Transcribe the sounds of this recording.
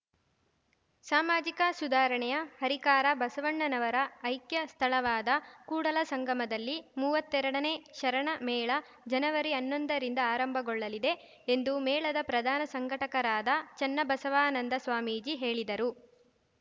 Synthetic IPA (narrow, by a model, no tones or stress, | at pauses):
saːmaːd͡ʒikɐsud̪aːɾɐɳɛjɐhɐɾikaːɾɐbɐsɐʋɐɳːɐnɐʋɐɾɐːjkjɐst̪ʰɐlɐʋaːd̪ɐkuːɽɐlɐsɐŋɡʱɐmɐd̪ɐlːimuːʋɐt̪ːɛɾɐɽɐne̞ːʃɐɾɐɳɐmɛːɭɐ | d͡ʒɐnɐʋɐɾiɐnːond̪ɐɾind̪ɐaːɾɐmbʱɐɡɔɭːɐlid̪e̞ | end̪umɛːɭɐd̪ɐpɾɐd̪ʱaːnɐsɐŋɡʱɐʈɐkɐɾaːd̪ɐt͡ʃɛnːɐbɐsɐʋaːnɐnd̪ɐsʋaːmiːd͡ʒiɦe̞ːɭid̪ɐɾu